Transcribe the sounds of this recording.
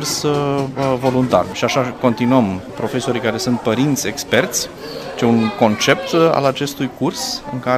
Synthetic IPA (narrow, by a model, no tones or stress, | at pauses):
rs | vo̞lunt̪a̰rʃiaʃako̞nt̪inuəmpɾo̞fe̞so̞ɾijkaɾe̞sunt̪̚pəɾint̪sʲe̞kspe̞rt̪sʲ | t͡ʃeuŋko̞nt͡ʃe̞p̚t̪a̰lat͡ʃe̞st̪ujkursɨ̰ŋka